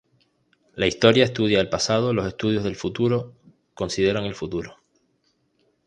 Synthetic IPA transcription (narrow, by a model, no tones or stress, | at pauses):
laist̪o̞ɾjae̞st̪uð̞jaelpasað̞o̞lo̞se̞st̪uðjo̞zðe̞lfut̪uɾo̞ | ko̞nsið̞e̞ɾaŋe̞lfut̪uɾo̞